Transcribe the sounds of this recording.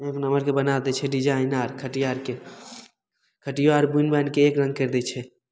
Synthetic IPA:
ẽknəməɾkebənat̪et͡ʃʰɛɖɪd͡ʒaːɪnaːɾkʰəʈijaːɾke | kʰəʈiʋaːɾbunbɛnkeːkɾə̃ŋɡ̚keɾd̪et͡ʃʰɛ

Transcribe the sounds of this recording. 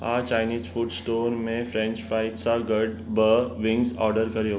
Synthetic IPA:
ɦã̰ːt͡ʃaːɪniːzfuʈsʈoːnmẽfɾɛ̃ːnt͡ʃfaːɪʈsaɡəɖ | bəʋɪ̃ŋɡsɔ̰ːɾɖəɾkɐɾi

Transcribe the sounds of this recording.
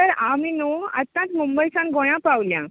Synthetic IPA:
t̪əɾaminuət̪ːãt͡s̪mumbəjsãnɡoj̃ãpawljã̰

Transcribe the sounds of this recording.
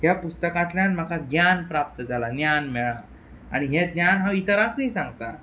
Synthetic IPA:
ɦjapust̪əkãt̪ljãnm̤akaɡjanpɾap̚t̪əd͡zalanjanmɛɭa | a̰ɽ̃iɦed̪njanɦait̪əɾakuĩsãŋɡt̪a̰

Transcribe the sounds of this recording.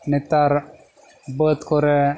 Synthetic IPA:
nit̪aɾ | bət̪koɾe

